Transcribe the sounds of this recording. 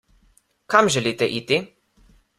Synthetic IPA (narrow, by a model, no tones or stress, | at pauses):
kamʒɛliːt̪ɛʔit̪i